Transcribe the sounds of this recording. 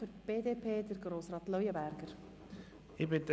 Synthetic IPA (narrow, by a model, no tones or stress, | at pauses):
fʏɾb̥eːdeːpʰeːd̪əɾɡɾoːsɾɑːt̪lœjəbæɾɡ̥əɾ | ɪbɪt̪